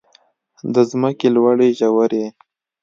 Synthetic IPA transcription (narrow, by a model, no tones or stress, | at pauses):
d̪əzməkelwaɽeʒawaɾe